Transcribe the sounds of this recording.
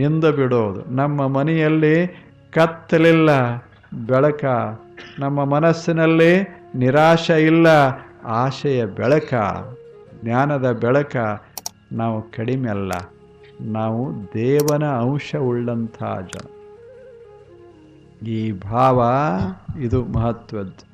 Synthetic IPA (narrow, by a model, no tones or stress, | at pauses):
end̪ubiɽoːd̪ṵnɐmːɐmɐnɛjɐlːi | kɐt̪ːɐlilːɐ | bɛɭɐkɐ | nɐmːɐmɐnɐsːinɐlːi | niɾaːʃɐilːɐaːʃɐjɐbɛɭɐkɐ̰ | ɡnaːnɐd̪ɐbɛɭɐkɐ | naːʋukɐɽimɛlːɐ̰ | naːʋud̪ɛːʋɐnɐːwʂɐuɭːɐnt̪ʰa̰ːd͡ʒɐ̰ | iːbʱaːʋɐ | id̪umɐɦɐt̪ʋɐd̪